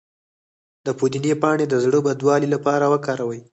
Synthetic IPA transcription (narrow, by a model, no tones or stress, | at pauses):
d̪əpud̪inepɑɳed̪əzɽəbad̪wɑlilapɑɾawəkɑɾawəj